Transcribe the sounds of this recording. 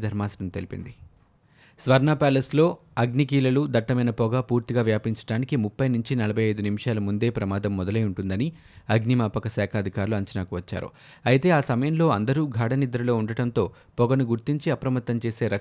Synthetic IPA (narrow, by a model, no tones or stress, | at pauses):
d̪ʱɐɾmaːsɐɾɐnt̪elipḭnd̪i | sʋɐɾnaːpaːlɐslo̞ː | ɐɡnik̬iːlɐlud̪ɐʈːɐmɐjnɐpɔɡɐpuːɾt̪iɡaːʋjaːpiɲt͡ʃɐ̥ɽaːnikimupːɐjnuɲt͡ʃinɐlɐbʱɐjɐjd̪unimiʂaːlɐmund̪e̞ːpɾɐmaːd̪ɐmːɔd̪ɐlɐjuɳʈund̪ɐni | ɐɡnimaːpɐkɐsaːkʰɐːd̪ʱikaːɾuluɐɲt͡ʃɐnaːkuʋɐt͡ʃːa̰ːɾṵ | ɐjt̪e̞ːaːsɐmɐjɐmlo̞ːɐnd̪ɐɾuːɡʱaːɽɐnid̪ɾɐlo̞ːuɳɖɐɽɐnt̪o̞ː | pɔɡɐnuɡuɾt̪iɲt͡ʃiɐpɾɐmɐt̪ːɐmt͡ʃe̞ːse̞ːɾɐk